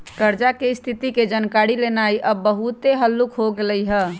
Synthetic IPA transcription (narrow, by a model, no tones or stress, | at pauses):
kəɾd͡ʒakest̪ʰit̪iked͡ʒankaɾilenajʔəbəɦut̪eɦəlːukɦoɡeləjɦə